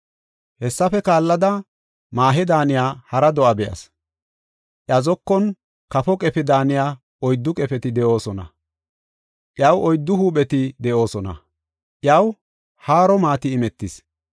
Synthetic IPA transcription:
hɛsːɐfɛkaːlːɐd̪ɐ | maːɦɛd̪aːnɪjaːhɐɾɐd̪ɔʔɐbɛʔɐ̰s | ʔjɐzɔkːɔn | kɐfɔkʼɛfɛd̪aːnɪjaː | ɔjd̪ːʊkʼɛfɛt̪ɪd̪ɛʔo̞ːsɔnɐ̰ | ʔjɐwɔjd̪ːʊhuːɓɛt̪ɪd̪ɛʔo̞ːsɔnɐ̰ | ʔjɐw | haːɾɔmaːt̪ɪːmɛt̪ːɪs

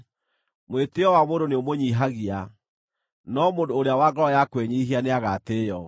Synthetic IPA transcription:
mweteɔwamodoneomoɲiɦaɣia | nɔmoːdoːɾeawaɡɔɔjakweɲiːɦianeaɣateːjɔ

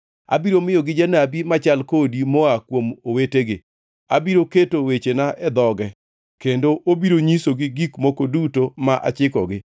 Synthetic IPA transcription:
a̰biɾomɪjɔɡɪd͡ʒanabimat͡ʃalkodimoakwomoweteɡɪ | abiɾoketowet͡ʃenaʔɛd̪ɔɡɛ | kendoʔobiɾoɲisoɡɪɡikmokodutomaʔa̰t͡ʃɪkɔ̰ɡɪ

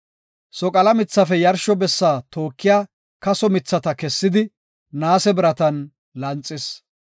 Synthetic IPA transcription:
sɔkʼɐlɐmɪt͡sːɐfɛjɐɾʃɔbɛsːaːt̪oːkːɪjaː | kɐsɔmɪt͡sːɐt̪ɐkɛsːɪd̪ɪ | naːsɛbɪɾɐt̪ɐn | lɐnt͡sʼːɪs

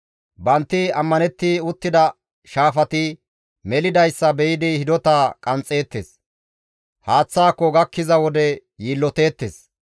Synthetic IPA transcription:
bɐnt̪ːɪɐmːɐnɛt̪ːɪʊt̪ːɪd̪ɐ | ʃaːfɐt̪ɪ | mɛlɪd̪ɐjsːɐbɛjɪd̪ɪhɪd̪ɔt̪aːkʼɐnt͡sʼːe̞ːt̪ːeːs | haːt͡sːaːkːɔɡɐkːɪzɐwɔd̪ɛ | jiːlːɔt̪e̞ːt̪ːeːs

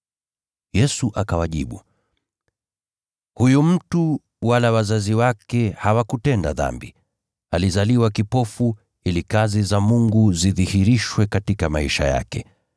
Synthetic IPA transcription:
jɛsuʔakawaʄiɓṵ | hujum̩tu | walawazaziwakɛhawakutɛnda̰ða̰mbi | alizaliwakipɔfu | ilikazizamuŋɡuziðihiɾiʃwɛkatikamaiʃa̰ja̰kɛ

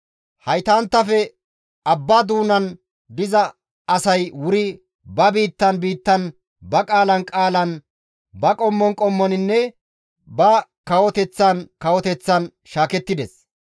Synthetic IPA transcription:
hɐjt̪aːnt̪ːɐfɛ | ɐbːaːd̪uːnɐn | d̪ɪzɐ | ɐsɐjwʊɾɪ | bɐbiːt̪ːɐnbiːt̪ːɐn | bɐkʼaːlɐnkʼaːlɐn | bɐkʼɔmːɔnkʼɔmːɔnɪnːɛ | bɐkɐwɔt̪ɛt͡sːɐnkɐwɔt̪ɛt͡sːɐn | ʃaːkɛt̪ːɪd̪ɛs

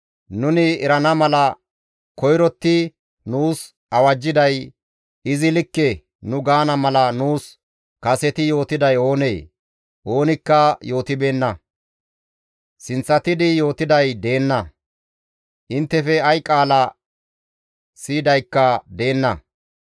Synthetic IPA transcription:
nʊnɪɛɾɐnɐmɐlɐ | kɔjɾɔt̪ːɪ | nuːs | ɐwɐd͡ʒːɪd̪ɐj | ɪzɪlɪkːɛ | nʊɡaːnɐmɐlɐnuːs | kɐsɛt̪ɪjo̞ːt̪ɪd̪ɐjo̞ːneː | ʔo̞ːnɪkːɐjo̞ːt̪ɪbe̞ːnːɐ | sɪnt͡sːɐt̪ɪd̪ɪjo̞ːt̪ɪd̪ɐjd̪e̞ːnːɐ | ʔɪnt̪ːɛfɛɐjkʼaːlɐ | siːd̪ɐjkːɐd̪e̞ːnːɐ

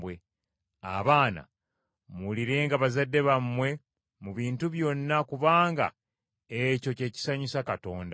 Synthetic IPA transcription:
bwe | a̰βaːna̰ | muliɾe̞ːŋɡaβazadːe̞βamːwe̞ | muβiːntuβjo̞nːakuβaːŋɡa̰ | eco̞ce̞ːci̥saɲisakato̞ːnda

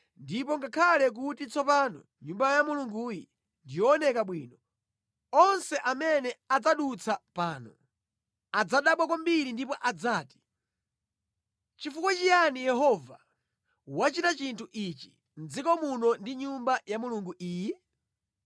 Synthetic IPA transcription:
ndipɔŋɡakʰalɛk̬utit͡sɔpaːnɔ̰ | ɲumbajamuluŋɡuːjḭ | ndijɔːnɛkaɓwiːnɔ | ɔnsɛʔamɛnɛad͡zaɗut͡sʰapaːnɔ | ad͡zaɗaɓwakwambiɾindipɔʔad͡zaːti̥ | t͡ʃifukwat͡ʃijanijɛɦɔva | wat͡ʃitat͡ʃintʰuʔit͡ʃi̥ | nd͡zikɔmunɔndiɲumbajamuluŋɡuʔiːjɛ

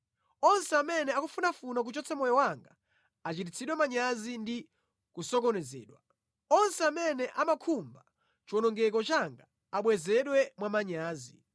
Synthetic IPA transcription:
ɔnsɛamɛnɛakufunafunak̬ut͡ʃɔt͡sʰɛmɔjɔwaŋɡa | at͡ʃit̬it͡sʰiɗwɛmaɲazindi | kusɔkɔnɛzɛ̰ːɗwa | ɔnsɛamɛnɛʔamakʰumba | t͡ʃiwɔnɔŋɡɛk̬ɔt͡ʃaŋɡa | aɓwɛzɛɗwɛmwamaɲaːzi

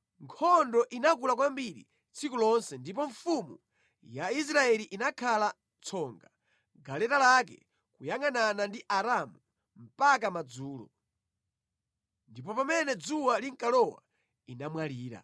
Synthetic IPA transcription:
ŋkʰɔndɔʔinak̬ulakwambiɾḭ | t͡sʰikulɔnsɛndip̬ɔɱfumṵ | jais̬ɾaɛliʔinakʰala | t͡sʰɔŋɡa | ɡalɛtalakɛ̰ | kujaŋananandiʔaɾamu | m̩pak̬amad͡zuːlɔ̰ | ndipɔpamɛnɛd͡zuwaliŋkalɔwa̰ | inamwaliːɾa̰

